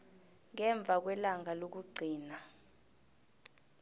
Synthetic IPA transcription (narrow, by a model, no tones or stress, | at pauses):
ŋɛɱb̪vʱak̬wɛlaŋalok̬uɡ͡ǀʱiːna